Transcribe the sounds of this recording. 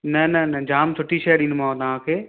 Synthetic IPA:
nɐnɐnɐd͡ʑaːmsʰʊʈiʃɐjɗĩːnmãːõt̪aʋ̤ãːkʰeː

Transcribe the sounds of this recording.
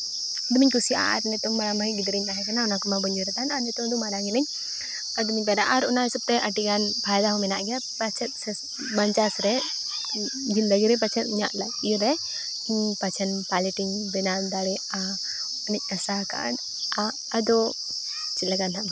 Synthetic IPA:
d̪umiɲkusia̰ɾnɛt̪ɔmːaɾambʱajɡid̪ɾiɲkaɦɛkanaɔnakɔmabɔɲd͡ʒɔɾɛt̪anaɾnɛt̪ɔmd̪umaɾaɡɛnɛɲ | əd̪umiɲpɛɾaʔaɾɔnaɦɛsəb̚t̪ɛʔəʈiɡanpʰajd̪aɦɔmɛnaʔɡa | pat͡ʃʰɛt̪̚sɛ | baɲt͡ʃasɾɛ | d͡ʒind̪əɡiɾɛp̬at͡ʃʰət̪̚muɲa̰ʔlakiɾɛ | iɲpat͡ʃʰənpaliʈiɲbɛnad̪aɽɛa | ɔnɛc̚ˀasaka̰ɖ | a | əd̪ɔ | t͡ʃilaɡanɦa

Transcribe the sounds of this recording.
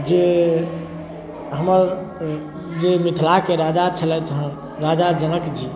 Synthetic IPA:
d͡ʒe | ɦəməɾ | d͡ʒemit̪ʰlakeɾad͡ʒat͡ʃʰəlɛt̪ɦə | ɾad͡ʒad͡ʒənəkd͡ʒi

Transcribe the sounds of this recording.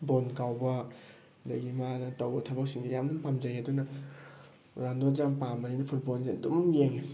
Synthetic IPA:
bonkawbɐ | dɐɡimanɐtawbɐtʰɐbɐk̚siŋdɐjamnumpamzajadunɐ | ɾandozampamɐninɐpʰut̚bolzidumjeŋi

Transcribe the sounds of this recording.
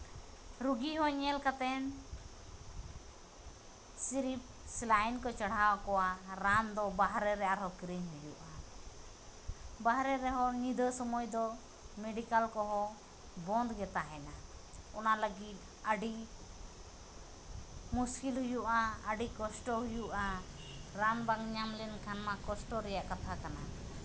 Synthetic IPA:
ɾuɡiɦɔ̃ɲɛlkat̪ɛn | siɾip̚ | slajnkɔt͡ʃaɽ̤awkɔwaɾand̪ɔbaɦɾɛɾɛaɾɦɔkɾiɲɦujṵʔa | baɦɾɛɾɛɦɔnid̪ʱəsɔmɔjd̪ɔ | mɛɖikalkɔɦɔ̃ | bɔnd̪ɡɛt̪aɦɛnaɔnaləɡit̪̚ | əɖi | muskilɦujuʔaəɖikɔsʈɔɦujuʔa | ɾanbaŋɲamlɛnkʰanmakɔsʈɔɾɛjaʔkat̪ʰakana

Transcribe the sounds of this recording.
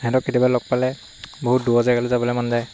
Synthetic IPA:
hɛdɔkːitibalɔk̚palɛ | boɦut̚duazaɡalɛzabɔlɛmanzaj

